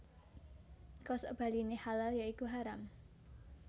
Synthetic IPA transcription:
kɔso̰b̥a̤linehalaljaikuɦaɾam

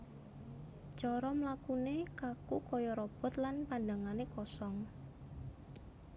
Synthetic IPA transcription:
t͡ʃɔɾɔmlakunekakukɔjɔɾɔb̥ɔ̤t̪lanpandaŋanekɔsɔŋ

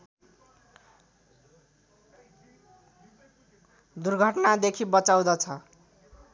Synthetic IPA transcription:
d̪urɡʱʌʈnad̪ekʰibʌt͡saw̃d̪ʌt͡sʰʌ

